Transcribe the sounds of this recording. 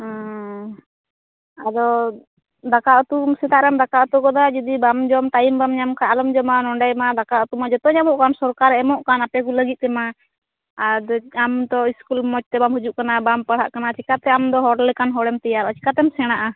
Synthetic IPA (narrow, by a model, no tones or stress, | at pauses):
ad̪ɔ | d̪akaʔɔt̪umsɛt̪aʔɾɛmd̪akaʔɔt̪ukɔd̪ad͡ʒɔd̪ibamd͡ʒɔmt̪ajimbamɲamkaʔlɔmd͡ʒɔmanɔɳɖajmad̪akaʔɔt̪umad͡ʒɔt̪ɔɲamɔʔkansɔɾkaɾɛɛmɔʔkanapɛkuləɡit̪̚ˀt̪ɛma | d̪ɔamd̪ɔiskulmɔt͡ʃ̚t̪ɛbamhud͡ʒuʔkanabampəɽ̤ɦa̰ʔkanat͡ʃikat̪ɛamd̪ɔɦɔɽlɛkanɦɔɽɛmt̪ɛjaɾɔt͡ʃi̥kat̪ɛmsɛɽ̃aʔa